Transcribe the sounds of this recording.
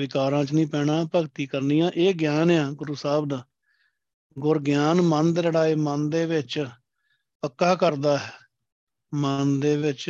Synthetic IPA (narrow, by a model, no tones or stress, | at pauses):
ʋɪkaːɾãːt͡ʃnĩːpɛːɽaːpəɡt̪iːkəɾniːãːʔeːɡjaːnjãːɡʊɾusaːbd̪aː | ɡʊɾɡjaːnmənd̪ɾəɽaːeːmənd̪eːʋɪt͡ʃ | pəkːaːkəɾd̪aːɦɛː | mənd̪eːʋɪt͡ʃ